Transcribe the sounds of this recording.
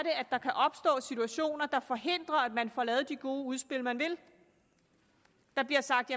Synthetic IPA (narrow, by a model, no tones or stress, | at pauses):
ɾeæd̥ːɑ̈kʰæʔɒ̽b̥sd̥ɔ̰̽ːsit͡sʰuæɕo̝̰ːnɐd̥ɑ̈fɒ̽ɦe̝n̰d̥ʁɐædmænfɒlɛːð̞̩ˠd̥iɡ̥o̝ːəuð̞ˠsb̥e̝l̰mænʋe̝l | d̥ɑ̈b̥liɐsɑ̈ɡ̥̚d̥jæ